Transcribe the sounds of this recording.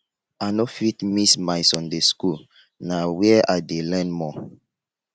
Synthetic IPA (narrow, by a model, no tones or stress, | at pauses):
anofitmismajsɔ̃ndeskul | nawɛɛʔadelɛ̃nmɔ